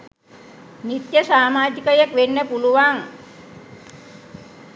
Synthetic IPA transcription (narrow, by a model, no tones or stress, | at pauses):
nit̪jəsaːmaːd͡ʒikəjəkʋenːəpuluʋaŋ